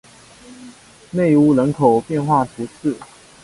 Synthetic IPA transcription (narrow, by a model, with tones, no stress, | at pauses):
ne˥˨ɪu˥˧lə˧˦nkʰo˨˩ʊpjɛ˥˧nxwa˥˩t̪ʰu˨˥t͡s̩ʰ˥˩˨